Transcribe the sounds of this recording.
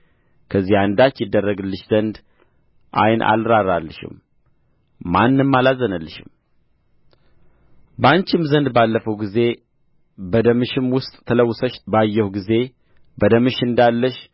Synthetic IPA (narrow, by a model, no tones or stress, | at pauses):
kʰəzːihand̪at͡ʃːjɪd̪ːərːəɡɨlːɨʃzənd̪ | ʔa̰jnʔa̰lɾaɾalːɨ̰ʃɪ̰mː | anːɨmːalazənəlːɨʃɪ̰m | bəaɲt͡ʃɪmzənd̪balːəfəwɡize̞ | bəd̪əmɨʃɪmwʊst̪ʼt̪ʰələwːʊsəʃbajːɛhuɡize̞ | bəd̪əmɨʃɨnd̪alːəʃ